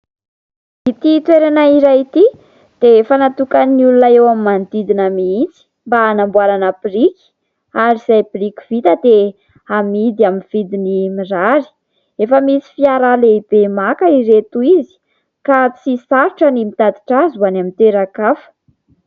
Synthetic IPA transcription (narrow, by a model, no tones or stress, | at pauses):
it̪it̪weɾanaiɾajit̪i | d̪̥efanat̪ukanniulunaewamimand̪id̪inəmiit͡si̥ | mbaːnambwalanapiɾiki̥ | aɾiz̥ajpirikʲi̥vit̪əd̪e | amid̪iaminv̥id̪inimiraɾi̥ | efəmisi̥fiaɾaleib̥emakəiɾet̪uizi̥ | kat͡ssisaɾiʈ͡ʂənimit̪ad̪i̥ʈ͡ʂazuanamint̪eɾakafə̥